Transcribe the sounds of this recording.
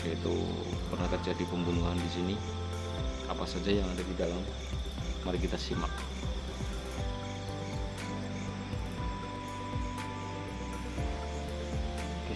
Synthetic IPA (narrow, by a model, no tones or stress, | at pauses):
jait̪ṵ | pərnaht̪ərd͡ʒadipəmbunuɦandisini | apasad͡ʒajaŋadadidalamː | aɾikit̪asima̰k̚